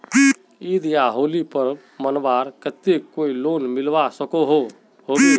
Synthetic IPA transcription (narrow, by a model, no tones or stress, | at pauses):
id̪ijaɦolipəɾ | mənbaɾkət̪ekoilonmilbasəkoɦo | ɦoɡe